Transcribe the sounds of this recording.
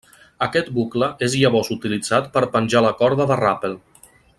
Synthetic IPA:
əkɛt̪̚bukləʔezjaβɔzut̪ilid͡zat̪pəɾpənʲʒaləkɔɾðəðərapelˠ

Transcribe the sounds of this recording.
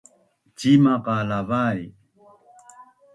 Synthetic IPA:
t͡ʃimaqalaβaj

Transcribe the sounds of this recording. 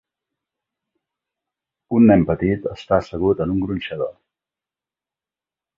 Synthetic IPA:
unːɛmpət̪it̪əst̪asəɣut̪ənuŋɡɾunʲʃəðo̰

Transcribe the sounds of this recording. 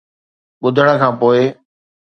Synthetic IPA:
ɓʊd̪ʱəɽ̃̆kʰãːpoːɪ

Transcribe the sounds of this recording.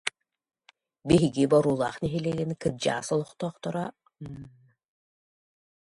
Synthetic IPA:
biɦiɡibɔɾuːlˠaːχniɦilɛɡinkɯd͡ʑa̰ːsɔlˠɔχt̪ɔːχt̪ɔɾa

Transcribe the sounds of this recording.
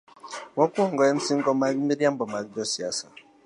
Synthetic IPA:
wɔkuɔŋ̩ɡɔjem̩siŋ̩ɡɔmaɾimiɾiam̩bɔmaɾid͡ʒɔsiasa

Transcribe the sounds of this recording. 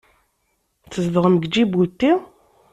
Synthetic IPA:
t͡sːəzðəʁəməɡd͡ʒibut̪ːi

